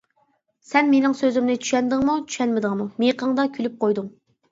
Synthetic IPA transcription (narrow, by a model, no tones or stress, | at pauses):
sɛnmenɪŋsøzɪmnɪt͡ʃʰy̥ʃɛnd̪ɪŋmut͡ʃʰy̥ʃɛnmɪd̪əŋmumeqʰəŋd̪ɑkʲʰylyp̚qʰojd̪ʊŋ